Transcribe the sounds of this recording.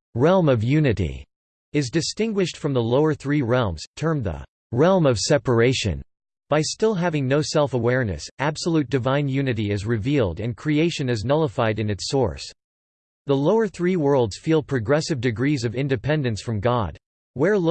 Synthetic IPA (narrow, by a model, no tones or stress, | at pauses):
ɹɛlˠmʌvjʉnɨɾḭ | ɨzdɨstɪ̃ŋɡwɨʃtfɹʌ̃mðəloʊə˞θɹiɹɛlˠmz̥tʰɜ̃˞mðə̰ | ɹɛlˠmʌv̥sɛpə˞eɪʃɨ̰̃n | b̥aɪstɪlˠɦævɪ̃ŋnoʊsɛlˠfəwɛɹnɨ̰sʔæb̥səlʉt̚d̥ɨvãɪ̃njʉnɨɾiɪzɹɨvilˠdɨ̃nkʰɹ̥ieɪʃɨ̃nɨznʌlˠəfaɪɾɨ̃nɨtsɔ̰ɹs | ðəloʊə˞θɹiwɜ˞lˠdz̥filˠpʰɹ̥ɨɡɹɛsɨvdɨɡɹizʌvɪ̃ndɨpʰɛ̃ndɨ̃nsfɹʌ̃mɡɑd̥̚ | wə˞l